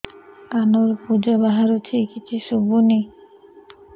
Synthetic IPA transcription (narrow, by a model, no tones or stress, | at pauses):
kanoɾpud͡ʑobaɦaɾut̪ʰikit͡ɕʰiʃubuni